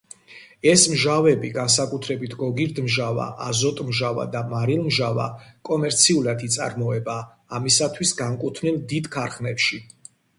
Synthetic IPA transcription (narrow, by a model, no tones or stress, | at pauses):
ɛsmʒavɛbiɡans̬akʼut̪ʰɾɛbit̪ʰɡɔɡiɾd̪mʒava̰ʔazɔt̪ʼmʒava̰d̪amaɾilˠmʒava̰kʼɔmɛɾt̪sʰiulˠad̪it̪sʼa̰ɾmɔɛbaː | misat̪ʰwisɡaŋkʼut̪ʰnilˠd̪id̪kʰaɾχnɛpʃi